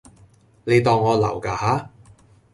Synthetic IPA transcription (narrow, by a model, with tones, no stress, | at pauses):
ne˨˧jt̪ɔː˧ŋːɔː˨˧lɐ˨˩wkaː˧haː˨˥